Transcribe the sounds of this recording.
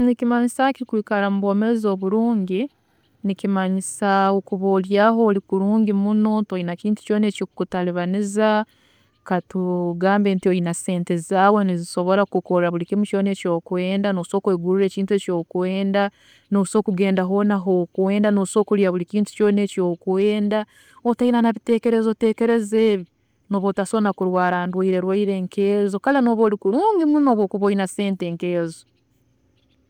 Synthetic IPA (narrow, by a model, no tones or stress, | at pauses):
nikimaɲisakiɾikuikalamuβo̞ːmeɾezo̞ːβuɾuːɲɟi | nikimaɲisaokuβoːljaːɦo̞ːlikuɾuːɲɟimunotoinaciːntu̥co̞ːne̞ːcikutaliβaniza | katuɡaːmbe̞ːntiojinase̞ːntezzaːweniziso̞βo̞ɾakuko̞ɾaβulikimut͡ʃo̞ːne̞ːco̞ːkwe̞ːndanoso̞ːkweːɡuɾuɾe̞ːciːntue̞ːco̞ːkwe̞ːnda | noso̞ːkuɡe̞ːndaɦo̞naɦokweːndano̞so̞ːkuljaβulikiːntu̥co̞ːne̞ːco̞ːkweːnda | otainanaβite̞ːke̞ɾezote̞ːke̞ɾe̞zeːβi | no̞ːβoːtasonakuɾwaːɾaːndwaiɾe̞ɾwaiɾe̞ŋkʰeːzo̞kaleno̞ːβoːlikuɾuːŋɡimuno̞βokuβojinase̞ːnte̞ŋkeːzo